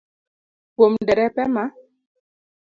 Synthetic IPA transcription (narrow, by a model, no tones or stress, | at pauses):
pomdɛɾɛpɛma